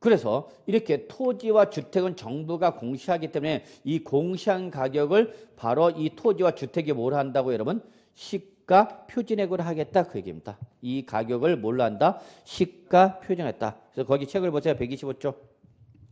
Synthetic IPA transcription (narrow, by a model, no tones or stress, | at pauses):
kɯɾe̞sʰʌ | iɾʌkʰe̞tʰod͡ʑiwat͡ɕutʰe̞ɡɯnt͡ɕʌŋbuɡakoŋɕʰiɦaɡit͈e̞mune̞ | ikoŋɕʰiankaɡjʌɡɯɭpaɾoitʰod͡ʑiwat͡ɕutʰe̞ɡimoɾɦandaɡojʌɾʌbɯn | ɕʰik̚k͈apʰjod͡ʑine̞ɡoɾɦaɡe̞t̚t͈akɯje̞ɡḛmidaikaɡjʌɡɯɭmoɭːaɦandaɕʰik̚k͈apʰjod͡ʑinɦe̞̰t̚t͈a̰ | esʰʌkʌɡit͡ɕʰe̞ɡɯɭbosʰejapeɡiɕʰibot͡ɕ͈o